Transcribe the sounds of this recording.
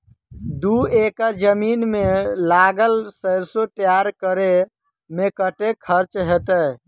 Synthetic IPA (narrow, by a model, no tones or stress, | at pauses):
d̪uekəɾd͡ʒəminmelaɡəlsəɾsoʈjaɾkəɾe | mekəʈekʰəɾt͡ʃɦet̪ə